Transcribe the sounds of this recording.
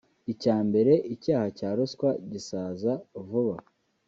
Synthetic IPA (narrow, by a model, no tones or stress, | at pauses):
icaːmbe̞ɾe̞ʔicaːhacaːɾoskwaɟisaːzauvuβa